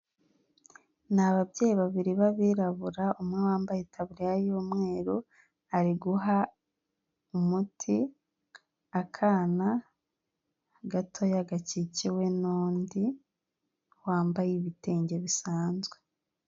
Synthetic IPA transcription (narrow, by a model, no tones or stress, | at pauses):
naβabjeːjiβaβiɾiβaβiːɾaβuɾaumŋewaːmbajetʰaβuɾijajoːmŋe̞ːɾo | aɾiɡuɦa | umutʰi | akʰaːna | ɡatʰo̞jaɡaciciwe̞nuːndi | waːmbajiβiteːɲɟe̞βisaːnzɡwe